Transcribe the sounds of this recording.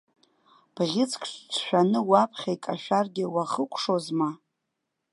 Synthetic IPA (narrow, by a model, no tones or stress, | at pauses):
b̥ʁʲɪt͡sʰkʰʼʂt͡sʷʰʃᶣanɨwapʰχʲajkʼaʃᶣarɡʲɪwaχəkʷʰʼʂozma